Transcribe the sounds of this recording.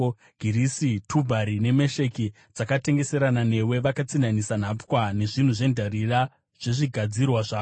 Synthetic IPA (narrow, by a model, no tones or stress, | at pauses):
ɡʱiɾisitʰubʱaɾine̞me̞ʃe̞ki | d͡zakate̞ŋɡe̞se̞ɾanane̞we̞ʋakat͡sinanisan̤apwane̞ʐin̤uʐe̞ndʱarira | ʐ̥e̞ʐiɡʱad͡zirwaʐaːo